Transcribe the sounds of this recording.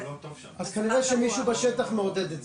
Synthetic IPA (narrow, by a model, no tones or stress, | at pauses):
ʔazkʰaniʁɛʃɛmiʃubeʃɛt̪aχmeod̪ɛd̪et